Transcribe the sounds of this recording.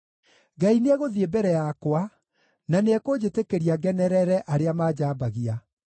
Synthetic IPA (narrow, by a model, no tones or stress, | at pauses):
ɡaineɛɣoðiebɛɾɛjakwa | naneɛkod͡ʑetekeɾiaɡɛnɛɾɛɾɛʔaɾeamaːd͡ʑaːbaɣia